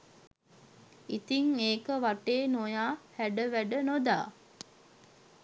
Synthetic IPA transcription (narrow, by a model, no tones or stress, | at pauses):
it̪iŋeːkəʋaʈeːnojaːhæɖəʋæɖənod̪aː